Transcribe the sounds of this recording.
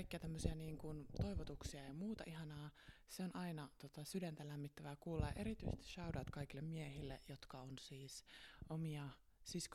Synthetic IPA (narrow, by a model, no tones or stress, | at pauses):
ikːeɑt̪æmːøsiɑniːŋkunt̪oiʋot̪uksiɑejɑmuːt̪ɑ̰ʔiɦɑnɑːseonʔɑinɑt̪ot̪ɑsydænt̪ælæmːit̪ːæʋækuːlːɑjɑʔe̞ɾit̪yist̪i̥sʃɑudɑt̪kɑikilːemmiehilːḛjot̪kɑonsiːsomiɑ | sisk